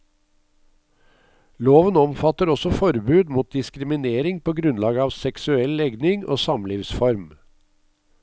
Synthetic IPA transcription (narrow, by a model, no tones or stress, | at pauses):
loːʋənɔmfɑt̪əɾɔsɔfɔɾbʉːd̪muːt̪̚d̪ɪskɾɪmɪneːɾɪŋpʰoːɡɾʉnlɑːɡəɑːʋsɛksʉɛllɛɡnɪŋo̰ːsɑmliːʋsfɔɾm